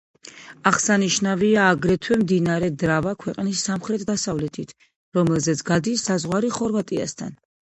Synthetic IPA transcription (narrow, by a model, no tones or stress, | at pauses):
aʁsaniʃnaviaːɡɾɛt̪ʰwɛmd̪inaɾɛd̪ɾavakʰwɛqʼnisːamχɾɛt̪ʰd̪asavlɛt̪ʰit̪ʰ | ɾɔmɛlˠzɛt̪sʰɡad̪isːazʁwaɾiχɔɾvat̪ʼia̰st̪ʰan